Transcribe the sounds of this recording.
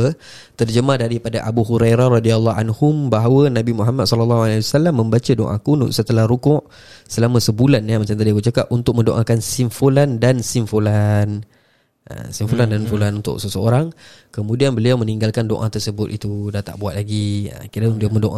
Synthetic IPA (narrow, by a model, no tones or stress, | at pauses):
t̪ərd͡ʒəmahdaɾipadaʔabuɦuɾajɾarɔdialːɔɦanhʊmbaɦawənãbimuɦamat̪̚sɔləlːaɦualaiwasalamːə̃mbat͡ʃadoʔa̰kunṵʔsət̪əlahɾukʊʔ | səlamãsəbulanjamat͡ʃamt̪adiakut͡ʃakapunt̪ʊk̚mə̃ndoʔakansiɱfolandansimfolan | ʔə̰simfulandanfulanunt̪ʊ̰ʔsəsəoɾaŋ | kəmũdianbəliawmə̃niŋɡalkando̰ʔa̰t̪ərsəbʊt̪it̪udat̪a̰ʔbuat̪̚laɡiə̰kiɾəiamədoʔa